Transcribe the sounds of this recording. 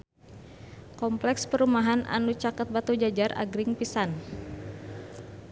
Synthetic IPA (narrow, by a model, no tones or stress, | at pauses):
kɔmplɛkspəɾumaɦana̰nut͡ʃakət̪̚bat̪ud͡ʒad͡ʒara̰ɡɾɪŋpisan